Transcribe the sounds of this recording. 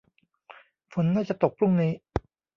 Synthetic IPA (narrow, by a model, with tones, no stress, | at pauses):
fʰo˩˦nːaː˥˩t͡ɕa˨˩t̪o˨˩k̚pʰɾu˥˩ŋniː˦˥